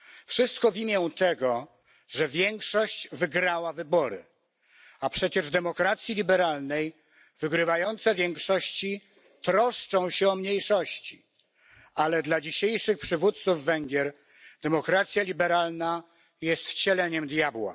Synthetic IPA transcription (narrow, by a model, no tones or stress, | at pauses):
fʂɘst̪kɔvʲimʲjɛ̃t̪ɛɡɔ | ʐɛvʲjɛŋkʂɔɕt͡ɕvɘɡɾawavɘbɔɾɘ̰ | apʂɛt͡ɕɛʐd̪ɛmɔkɾat̪sʲjilʲibɛɾalnɛj | vɘɡɾɘvajɔnt̪sɛvʲjɛŋkʂɔɕt͡ɕi | t̪ɾɔʂt͡ʂɔ̃w̃ɕɛɔmɲejʂɔɕt͡ɕi | alɛd̪lad͡ʑiɕejʂɘxpʂɘvut̪t̪suvːɛŋɡʲjɛɾ | d̪̥ɛmɔkɾat̪sʲjalʲibɛɾalna | jɛst̪t͡ɕɛlɛɲɛmd̪jabwa̰